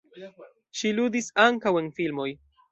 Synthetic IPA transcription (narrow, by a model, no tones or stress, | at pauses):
ʃiludisaŋkawe̞nfilmo̞j